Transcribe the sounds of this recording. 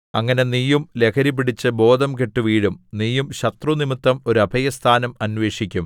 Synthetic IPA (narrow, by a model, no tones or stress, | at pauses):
ɐŋːɐne̞nijumle̞kʰɐɾip̬ːiɽit͡ɕːɨbo̞ːd̪ʱɐmkeʈːuʋiːɻumnijumɕɐt̪runimit̪ːɐmo̞ɾuɐbʱɐjɐst̪ʰaːnɐmɐnʋe̞ːʂikʲːum